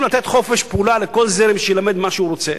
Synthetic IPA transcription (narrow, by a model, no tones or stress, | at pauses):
mlat̪e̞t̪χo̞fe̞ʃpeulale̞ko̞lzeɾimʃejelame̞d̪maʃeuɾo̞t͡se